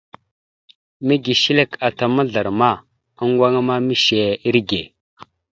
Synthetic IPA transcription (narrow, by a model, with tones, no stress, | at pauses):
mi˦ɡi˨ʃi˦le˦ka˨ta˨ma˦ɮa˨ɾma˦˨ | a˦ŋ˦ɡwa˦ŋa˦ma˦mi˦ʃe˨i˦ɾɡe˨